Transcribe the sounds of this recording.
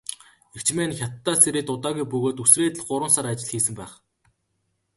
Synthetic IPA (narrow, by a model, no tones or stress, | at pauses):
ekt͡ɕmeːnxʲjat̪ːaːseɾeːt̪ʊt̪aːɣujpɵɣoːt̪usreːt̪ɘ̆ɮɢʊɾwə̆nsaɾat͡ɕɪ̆ɮxiːsɘ̆mpæːχ